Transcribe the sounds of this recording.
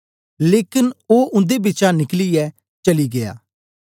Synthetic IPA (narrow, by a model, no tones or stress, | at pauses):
leːkɪnoːʔʊ̃nd̪ebɪt͡ʃanɪkliɛ | t͡ʃɐliɡeja̰ː